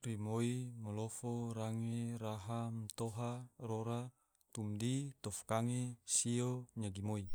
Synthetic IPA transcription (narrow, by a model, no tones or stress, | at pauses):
rimoimolofoɾaŋeɾaɦamt̪oɦaroɾa | t̪umdit̪ɔfkaŋesioɲaɡimoi